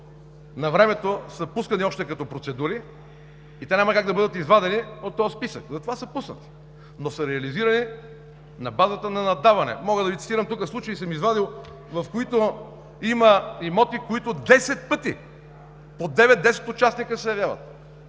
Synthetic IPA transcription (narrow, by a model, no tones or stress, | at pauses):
nɐvɾɛmɛt̪osəpuskɐniɔʃt̪ɛkɐt̪ɔpɾot̪sɛd̪uɾiː | t̪ɛnʲamɐkaɡd̪ɐbɤd̪ət̪izvad̪ɛniot̪ːɔjspisəkzɐt̪ovasəpusnət̪i̥ | nosəɾɛɐliziɾɐni | nɐbazət̪ənɐnɐd̪avɐnɛ̰mɔɣəd̪ɐvit̪t̪iɾɐmt̪ukəslˠut͡ʃəisəmizvad̪ilˠ | vɐfkoit̪o | iməimɔt̪ikoit̪ʊd̪ɛsɛt̪̚pɤt̪i | pod̪ɛvɛt̪̚d̪ɛsɛ̥t̪ot͡ʃasnikəsɛjɐvjavə̰t̪